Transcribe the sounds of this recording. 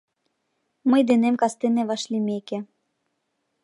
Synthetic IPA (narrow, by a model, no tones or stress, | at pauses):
mɤjd̪enemkɑst̪eneβɑʃlʲimʲekĕ